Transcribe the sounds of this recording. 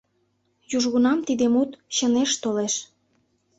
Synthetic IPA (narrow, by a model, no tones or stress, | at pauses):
juʒɣunɑmt̪id̪emut̪ɕəneʃt̪oleʃ